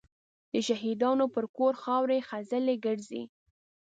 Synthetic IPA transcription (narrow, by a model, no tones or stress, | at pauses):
d̪̥əʃaɦid̪ɑnopəɾkoɾxɑwɾexazəleɡəɽzḭ